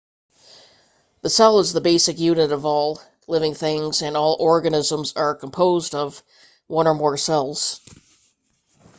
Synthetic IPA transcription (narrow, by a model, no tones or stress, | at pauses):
ðɨsɛlˠəzðəbeɪsɨkjʉnɨɾʌvɔlˠ | lɪvɪ̃ŋθɪ̃ŋz̥ɨ̃nɔlˠɔɹɡɨnɪzə̃mzə˞kʰə̃m̩pʰoʊzdʌv | wʌ̃ñə˞mɔɹsɛlˠz̥